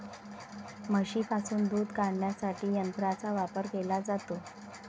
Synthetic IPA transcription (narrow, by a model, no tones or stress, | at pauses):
məɕiːpasuːnd̪uːd̪kaɽɳjasaʈiːjənt̪ɾat͡saʋapəɾkelad͡zat̪o